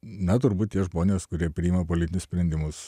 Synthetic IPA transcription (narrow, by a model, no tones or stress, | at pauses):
nɐt̪ʊɾbuːt̪̚ʲt̪ʲiɛʒmoːnʲeːskʊɾʲiɛpʲɾʲɪɪːmɐpoːlʲɪt̪ʲɪnʲʊsʲpʲɾʲɛnʲd̪ʲɪmʊs